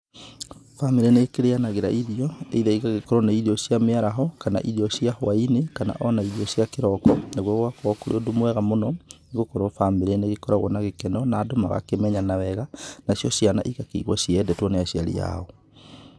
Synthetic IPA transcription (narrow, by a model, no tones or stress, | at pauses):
fameɾeneːkeɾeanaɣeɾaʔiðiɔḛiðɛiɣaɣekɔɾɔnaiðiɔɕjameaɾaɦɔkana̰ʔiðiɔɕjahwainekana̰ʔɔnaiðiɔɕjakeɾɔkɔnaɣwɔɣwakɔɔkoɾḛodomwɛɣamonɔneɣokoɾofameɾeneɣekɔɾaɣwɔ̰naɣekɛnɔnaːdoma̰ɣa̰kemɛɲanawɛɣanasjɔɕjana̰ʔiɣakeḭɣwɔɕiɛdɛtwɔneaɕiaɾḭja̰ɔ